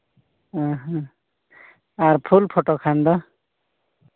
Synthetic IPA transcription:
aɦã | aɾpʰulpʰoʈokʰand̪ɔ

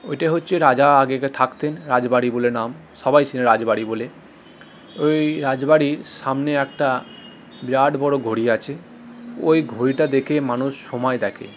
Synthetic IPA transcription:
ojʈaɦotːɕʰeɾad͡ʑaaɡeket̪ʰakt̪enɾad͡ʑbaɽibolenam | ʃɔbajt͡ɕʰineɾad͡ʑbaɽibole | ojɾad͡ʑbaɽiɾʃamneɛk̚ʈa | bɾaɖbɔɽoɡʱoɽiat͡ɕʰe | o̰jɡʱoɽiʈad̪ekʰemanuʃːomaed̪ɛkʰḛ

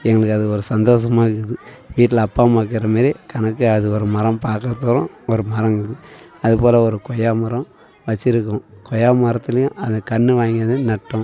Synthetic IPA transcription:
ɛŋɡɐɭɯkːɯɐðɯɔɾɯsɐnd̪oːs̬ɐmaːɪkːɯðɯ | ʋiːʈːɪlɐpːaːmaːk̬ːɪɾɐmeːɾikɐnɐkːɯɐðɯɔɾɯmɐɾɐ̃mpaːkɐt̪ːɔːɾɔ̃ | ɔɾɯmɐɾɐ̃ŋɡɯðɯ | ɐðɯpoːlɐɔɾɯkɔjaːmɐɾɐ̃m | ʋɐt͡ʃːɪɾɯk̬ːʊ̃kɔjaːmaːɾɐt̪ːɪlɐjʊ̃ʔɐnðɐkɐɳːɯʋaːŋɡiɐðɯnɐʈːʊ̃

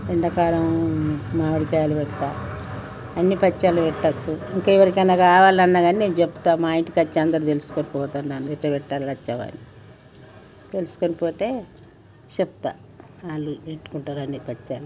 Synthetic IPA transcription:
ɾeɳɖɐkaːɾɐmmaːʋɐɽikajaːlupɛʈt̪ːaː | ɐnːipɐt͡ʃːaːlupɛʈːɐt͡ʃːuiŋkɐiʋɐɾikɐnːaːkaːʋaːlɐnːaːɡaːnineːnt͡ʃepːu̥t̪aːmaːjiɳʈi̥kɐt͡ʃːeɐnd̪ɐɾut̪elusu̥konipɔːt̪aːnnanuɛʈːɐpɛʈːaːllɐt͡ʃːɐʋa̰ni | t̪e̞lusu̥konipɔːt̪e̞ː | t͡ʃepːut̪a̰ː | aːlːueʈːu̥kuɳʈaːɾuɐnːipɐt͡ʃːaːlu

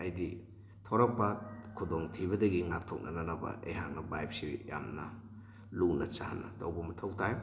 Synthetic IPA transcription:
ɐjdi | tʰoɾɐk̚pɐkʰudoŋtʰiβɐdɐɡiŋap̚tʰok̚nɐnɐnɐbɐ̰ʔḛjɦaŋnɐbajpsija̰mnɐ | lunɐt͡ʃahanɐ̰towbɐmɐtʰɐwtʰaj

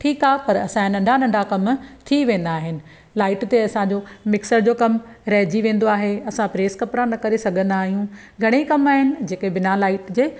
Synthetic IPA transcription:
ʈʰiːkaːɦepɐɾɐ̰sãnɐ̃ɳɖʱanɐ̃ɳɖʱakɐmt̪ʰiʋẽːn̆d̪aːɦɪnɪ̆ | laːɪʈt̪eɐsãd͡ʑoːmɪksəɾd͡ʑoːkɐmɾɐɦd͡ʑiʋẽːn̆d̪oaːɦeɐsãpɾeːskɐpɾanɐkɐɾesɐɡʱə̃nd̪aːɦijũ | ɡʱɐɽ̃eikɐmaːɦɪnɪ̆d͡ʑeːkebɪnalaːɪʈd͡ʑeː

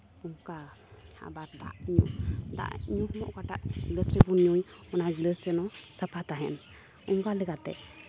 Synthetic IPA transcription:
uŋkaa̰baɾd̪a̰ʔɲṵʔd̪a̰ʔɲuhmɔʔkaʈaʔɡləsɾɛbunɲujɔnaɡləsɛnɔsapʰat̪aɦɛ̰n | uŋkalɛɡat̪ɛ̰

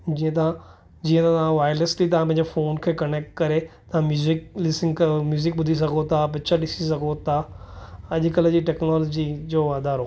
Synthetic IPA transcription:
d͡ʑiːə̃t̪ɐã | d͡ʑiːə̃t̪ãt̪ɐʋãʋaːjəɾlesʈlit̪ɐʋ̤ãp̬ɐ̃ɪ̃ɲd͡ʑefoːnkʰeːkɐneːk̚ʈ̚kɐɾet̪ɐʋãmjuːzɪklɪsɪ̃ŋɡkmjuːzɪk̚ɓʊd̪ʱis̬ɐɡʱot̪ʰap̬ɪt͡ɕʰəɗɪsisɐɡʱot̪ʰa | ɐʄkəld͡ʑiʈɛːknɔːloːd͡ʑid͡ʑoːʋaːd̪ʱaːɾɦoː

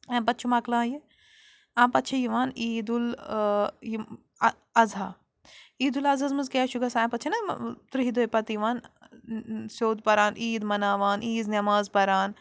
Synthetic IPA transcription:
ɐ̃pɐt̪̚ːt͡ʃʰumaːklãːje | ãːpɐt̪ːt͡ʃʰɐjiʋaːniːd̪ul | j | ɐzaː | iːd̪ulɐzɐzmɐzkeːʃuɡɐsãːpɐt̪ːt͡ʃʰɐnɐt̪ɾiɦid̪ojpɐt̪iʋaːn | soːd̪̚pɐɾaːniːd̪mɐnaːʋaːniːznɐmaːzpɐɾaːn

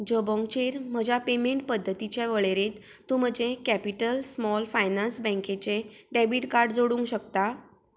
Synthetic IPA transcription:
d͡ʑəbɔ̃ŋɡt͡ɕeɾm̤əd͡ʑjapemeɳʈ̚pəd̪ʱːət̪it͡ɕjaʋəɭeɾet̪ːũm̤əd͡ʑekæpiʈəlsmɔlfajnansbə̃ŋket͡ɕeɖebiʈkaɾɖd͡zoɽũŋkɕək̚t̪a

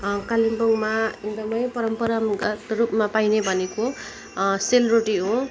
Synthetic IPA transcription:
kalimboŋmaind̪ʌmʌjpʌɾʌmpʌɾʌmɡt̪ɾupmapajnebʱʌneko | selroʈiɦo

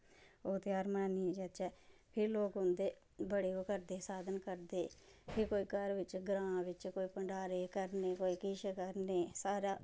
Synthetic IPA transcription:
oːt̪eaːɾmaːniːd͡ʒət͡ʃɛːpʰɪɾloːkɦʊ̃nd̪eː | bəɽeːokəɾd̪eːsaːd̪ənkəɾd̪eːpʰɪɾkoːiːkəɾʋɪt͡ʃɡɾãːʋɪt͡ʃkoːiːpəɳɖaːɾeːkəɾneːkoːiːkɪʃkəɾneːsaːɾaː

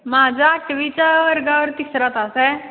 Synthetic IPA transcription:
mad͡ʑʱaːk̚ʈʋit͡ɕjaəɾɡaʋəɾt̪isɾat̪asɛ

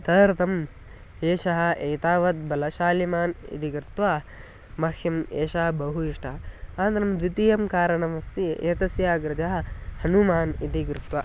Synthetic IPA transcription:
t̪ɐɾt̪ʰɐm | eːʃɐɦɐ̆ʔeːt̪aːʋɐt̪̚bɐlɐʃaːlimaːnḭt̪iɡɾɪt̪ʋaː | mɐkʰjɐmeːʃɐɦɐbɐɦuiʃʈʰɐɐaːnt̪ɐnɐmd̪ut̪ijɐmkaːɾɐɳɐmɐst̪ieːt̪ɐsjaːɡɾɐd͡ʒaɦɐhɐnumaːnit̪iɡɾɪt̪ʋɐ

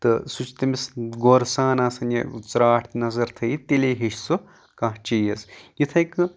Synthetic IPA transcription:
t̪ɨsut͡ʃʰt̪ɐmisɡoɾsaːnaːsɐnjḛt͡sɾaːʈʰt̪nɐzɐɾt̪ʰɐjit̪eleːɦeʃʲsu | kãɦt͡ʃijɐsjit̪ʰɐjkɨ

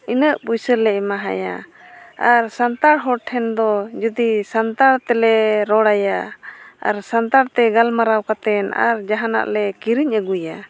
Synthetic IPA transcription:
inəʔpujsəɾlɛmaɦa̰ja̰ | aɾsant̪aɾɦɔɾʈʰɛnd̪ɔd͡ʒud̪isant̪aɾt̪ɛlɛɾɔɽaja | a̰ɾsant̪aɾt̪ɛɡalmaɾawkat̪ɛna̰ɾd͡ʒaɦana̰ʔlɛkiɾiɲəɡuja

